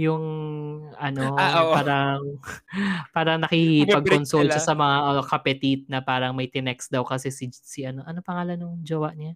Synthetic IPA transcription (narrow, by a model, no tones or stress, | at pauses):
jʊŋ | ɐno̞paːɾɐŋ | paːɾɐŋnɐkipɐɡ̚konsolʃasɐmɐŋaʔokɐpɛt̪it̪̚nɐpaːɾɐŋmɐjt̪ɪnɛksd̪ɐwkɐsɛsisiʔɐnoʔɐnopɐŋaːlɐnːʊŋd͡ʒɐwaʔɲa